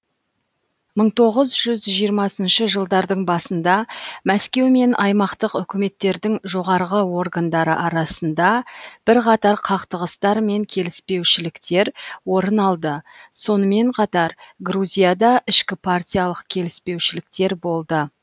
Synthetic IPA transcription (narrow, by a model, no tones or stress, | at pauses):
məɴt̪ʰo̞ʁəzʒʏzʒijəɾmɑsənʃəʒəlˠd̪ɑɾd̪əɴbɑsənd̪ɑmæskʲe̞wme̞nʔɑjmɑqt̪əqʏkʲɪme̞t̪ːe̞ɾd̪ɪŋʒo̞ʁɑɾʁəwo̞ɾɡand̪ɑɾə̰ʔɑɾɑsənd̪ɑb̥ɪɾqʰɑt̪ɑɾqʰɑqt̪əʁəst̪ɑɾme̞ŋkʲʰe̞lɪspe̞wʃɪlɪkt̪e̞ɾwo̞ɾənɑlˠd̪ə | so̞nəme̞ɴqʰɑt̪ɑɾɡɾuzʲijad̪ɑʔɪʃkʲɪpʰartʲijalˠəqkʲʰe̞lɪspe̞wʃɪlɪk̚t̪e̞ɾbo̞lˠd̪ə